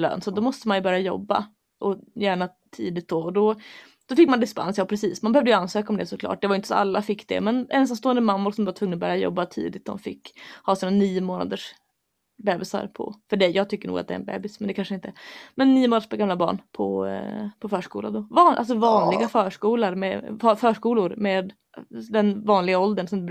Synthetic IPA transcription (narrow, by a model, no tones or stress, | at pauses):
lœ̰ːnsɔt̪̚d̪ɔmɔst̪əmanjɵbœɾjajɔ̰bːa̰ | ʔɔjæːɳa | t̪ʰḭːd̪ɪt̪̚d̪ɔɔd̪ɔ | d̪̥ɔfɪkːmand̪ɪspa̰nsjɑːpʰɾɛsiːsmanbɛœvd̪əjəanːsøːkaɔmd̪ɛsɔkʰlɑ̰ːʈ̚d̪ɛvajʏɪnt̪əsɔa̰lːafɪkːd̪ɛ̰mɛnʔɛns̬t̪anst̪oːɛnd̪əmamːʊɾsɔmɛvat̪vɵŋːənɔbœːɾjajɔ̰bːat̪ʰḭːd̪ɪt̪̚d̪ɔ̰mfɪ̰kːhɑːsiːnaniːʊmoːna̰d̪əʂ | bɛːbɪsa̰ɾpʰɔ̰fœɖɛjjɑːɡ̚t̪ʰʏkːəɳṵːɡa̰t̪d̪ɛ̰ɾɛ̰nbɛ̰ːbɪsmɛnd̪ɛkʰanʂəɪnt̪ʰəmɛnːiːʊmoːd̪əʂpʰɔɡamlabɑ̰ːɳpʰɔ̰pʰɔfœːʂkuːla̰d̪ɔvɑːnʔa̰ls̬ɔvɑːnlɪɡafœːʂkuːlaɾmɛfœfœːʂkuːlʊɾmeːd̪ | d̪ɛnvɑːnlɪɡaɔld̪əɳsɔmd̪